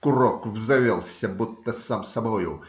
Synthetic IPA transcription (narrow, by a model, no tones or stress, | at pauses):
kurɔkvzd̪ɐvʲelˠsʲɐbut̪ːɐsamsɐbɔju